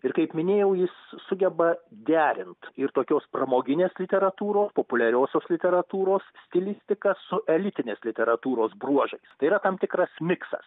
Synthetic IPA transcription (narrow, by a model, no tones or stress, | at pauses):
ɪɾkɐɪpmʲɪnʲeːjɛʊjɪssʊɡʲɛbɐd̪ʲæːɾʲɪnt̪ɪɾt̪oːkʲoːsprɐmoːɡʲɪnʲeːslʲɪt̪ʲɛɾɐt̪uːɾoːspoːpʊlʲɛɾʲoːsʲoːslʲɪt̪ʲɛɾɐt̪uːɾoːssʲt̪ʲɪlʲɪsʲt̪ʲɪkɐsʊʔɛlʲɪt̪ʲɪnʲeːslʲɪt̪ʲɛɾɐt̪uːɾoːsbruɔʒɐɪst̪ɐɪiːɾɐt̪ɐmt̪ʲɪkɾɐsmʲɪksɐ̰s